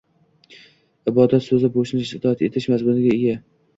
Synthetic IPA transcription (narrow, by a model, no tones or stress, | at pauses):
ɪbɒd̪at̪sɵzɪboʃnɪʃɪd̪ʰɒjat̪e̞t̪ʰɪʃmazmʊnɪɡʲaeɡʲa